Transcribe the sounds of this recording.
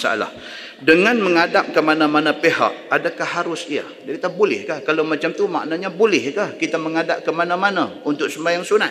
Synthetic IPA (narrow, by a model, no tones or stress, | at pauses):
sa̰a̰la̰h | dəŋanməŋadap̚kəmanamanapeɦa̰ʔ̚adakahːaɾʊsia̰ | dakit̪ahbulɪ̰hkahkalamat͡ʃamt̪uma̰ʔnaɲabulɪhkahkit̪aməŋadap̚kəmanamanaunt̪ʊk̚səmbajaŋsuna